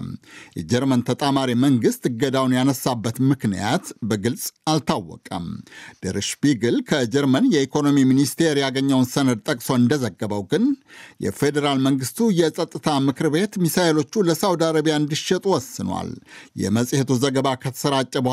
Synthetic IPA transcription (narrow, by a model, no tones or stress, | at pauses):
mjɛ̰d͡ʒɛɾmənt̪ʰət̪ʼamaɾiməŋɡɨst̪ɨɡːəd̪awnjanəsabːət̪mɨknija̰t̪bəɡɨlsʼalt̪ʰawːɔ̰kʼə̰md̪̥əɾɨʃbiɡɨlkʰəd͡ʒɛɾmənjɛikʰo̞no̞miminist̪ʰe̞ɾjaɡəɲːəwnsənəd̪̚t̪ʼəkʼso̞ɨnd̪əzəɡːəβəwɡɨnjɛ̰fe̞d̪əɾalməŋɡɨst̪ʰujɛsʼət̪ʼːɨt̪ʰamɨkɨɾbe̞t̪misaelo̞t͡ʃːuləsawd̪aɾəβijaɨnd̪iʃɛt̪ʼuwɔsːɨnwa̰ljɛ̰məsʼhet̪uzəɡəβakʰət̪ʰə̥səɾat͡ʃʼːəb